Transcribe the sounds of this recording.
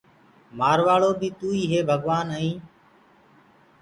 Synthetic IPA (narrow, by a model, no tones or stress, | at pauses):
maːɾʋaːɭoːbiːt̪uːiːɦeːbʱəɠʋaːnəĩː